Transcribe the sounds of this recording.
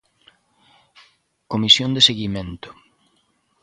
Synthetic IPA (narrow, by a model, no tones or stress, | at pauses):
komisjond̪eseɣimẽnt̪ʊ̥